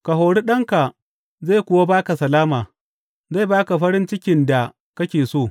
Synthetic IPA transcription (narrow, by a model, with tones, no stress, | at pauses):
ka˨ɦoː˨ɽi˦ɗɐ˦ŋka˨ | zaː˦˨kʷʊ˨wa˦baː˦ka˨sɐ˨laː˦maː˨ | za˦˨baː˦ka˨ɸɐ˦ɾɪ˦nt͡ʃɪ˦kʲɪ˨nda˨ | kɐ˦kʲeː˨soː˦˨